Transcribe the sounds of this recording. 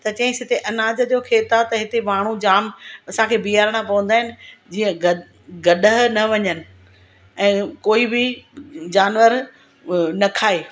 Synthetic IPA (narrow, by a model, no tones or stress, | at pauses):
t̪ɐt͡ɕɐ̃ɦɪ̃sɪt̪ʰeʔɐnaːd͡ʑəd͡ʑoːkʰeːt̪at̪ɐɦɪt̪emaːɽ̤̃ud͡ʑaːmɐsãkʰeːbijaːɾɽ̃apɐʋə̃n̆d̪aːɦɪnɪ̆d͡ʑiːə̃ɡɐ | ɡɐɗəɦnɐʋɐɲənɪ̆ | ɛ̃ːkoːibɪd͡ʑaːnʋəɾ | nɐkʰaːeː